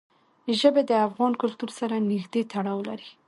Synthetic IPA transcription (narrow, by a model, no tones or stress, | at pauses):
ʒəbed̪əafɣɑnkʊlt̪uɾsaɾanɪxd̪et̪aɽɑwla̰ɾi